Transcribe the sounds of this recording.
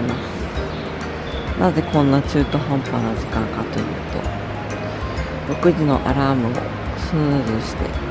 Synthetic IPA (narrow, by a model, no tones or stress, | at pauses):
masɨ̥ | naze̞kõ̞nːat͡ɕɨːt̪o̞ɦãmpanaʑikãŋkat̪o̞̰jɯ̟̰ːt̪o̞̰ | ɾo̞kɯ̟ʑino̞̰ʔa̰ɾaːmɯ̟o̰ | sɨzɨɕi̥t̪e̞̰